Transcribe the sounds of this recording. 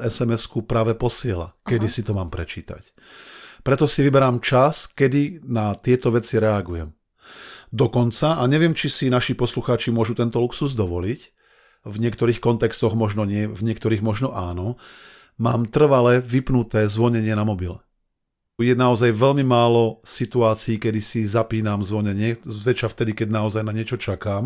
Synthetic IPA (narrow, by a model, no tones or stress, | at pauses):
ɛsɛmɛskupɾaːʋɛpɔsɪɛla̰kɛd̪isit̪ɔmaːmpɾɛt͡ʃiːt̪a̰c | pɾɛt̪ɔsiʋibɛɾaːmt͡ʃaskɛd̪inat̪ɪɛt̪ɔʋɛt͡siɾɛaɡujɛm | d̪ɔkɔnt͡saaɲɛʋɪɛmt͡ʃisinaʃipɔsluxaːt͡ʃimʊɔʒut̪ɛnt̪ɔluksuzd̪ɔʋɔlic | vɲɪɛkt̪ɔɾiːxkɔnt̪ɛkst̪ɔɣmɔʒnɔɲɪɛvɲɪɛk̚t̪ɔɾiːɣmɔʒnɔʔaːnɔ | maːmt̪r̩ʋalɛʋipnut̪ɛːzʋɔɲɛɲɪɛnamɔbilɛ | jɛnaɔzajʋɛʎmimaːlɔsit̪uaːt͡siːkɛd̪isizapiːnamzʋɔɲɛɲɪɛʋɛt͡ʃaft̪ɛd̪ikɛɟnaɔzajnaɲɪɛt͡ʃɔt͡ʃakaːm